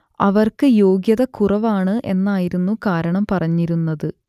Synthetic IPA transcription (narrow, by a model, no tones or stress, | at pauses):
ɐʋɐrkɨjo̞ːɡjɐðɐkurɐʋaːɳɨʔe̞̰nːaːjiɾunːukaːɾɐɳɐmpɐrɐɲːiɾunːɐðɨ